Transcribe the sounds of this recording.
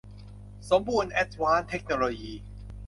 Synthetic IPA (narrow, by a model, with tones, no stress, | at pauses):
so˩˦mbu˧nʔɛ˦˥t̪̚waː˦˥nt̪ʰe˦˥k̚noː˧loː˧jiː˧